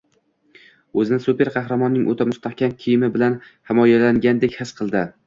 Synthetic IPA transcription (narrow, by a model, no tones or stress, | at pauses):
ɵzɪnɪsupe̞ɾqʰɑhɾamɒnːɪŋʔɵt̪ʰamʊst̪ʰahkʲʰamkʲʰijɪmɪbɪlan | hɪmɒjalaŋɡʲand̪e̞kʲhɪsqʰɨlˠd̪ɪ